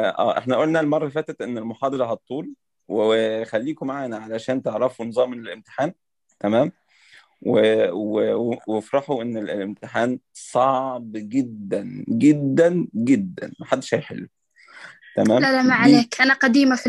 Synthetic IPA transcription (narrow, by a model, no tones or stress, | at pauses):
ʔæ̰ːʔeħnæʔolnælmɑrˤːɑfæːt̪æt̪ʔenːelmoħɑːd̪ˤɑlɑɦɑt̪ˤːuːl | weexælːiːkomaʕaːnæʕalæʃæːnt̪eʕɾɑfunɨzˤɑːmnelʔemt̪e̥ħaːn | t̪æmæːm | wewewefɾˤɑħuʔenːellʔemt̪ɪħaːnsˤɑʕbɡed̪ːænɡed̪ːænɡed̪ːæ̰nmæħad̪ːeʃhæjħḛlːu | t̪æmæːmlælæmaʕanæːkʔænæqɑd̪iːmæf